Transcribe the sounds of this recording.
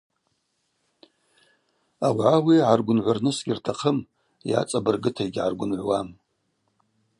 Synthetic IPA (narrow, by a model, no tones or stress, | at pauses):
awʕawiʕarɡʷʊnʕʷarnɨsɡʲirtʰaqʰəm | ja̰t͡sʼabɨrɡɨtʰajɡʲʕarɡʷʊnʕʷwam